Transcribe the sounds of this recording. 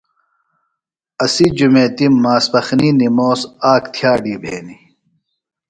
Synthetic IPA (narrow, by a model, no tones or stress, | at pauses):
ɐsid͡ʑumeːt̪imːaːsbɐxninimoːsaːkt̪ʰjaːɖibʱeːni